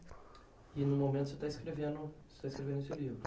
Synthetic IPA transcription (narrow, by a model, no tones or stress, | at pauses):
inũmomẽnt̪ʊset̪aiskɾevẽnd̪ʊse̥t̪aiskɾevẽnusewlivɾʊ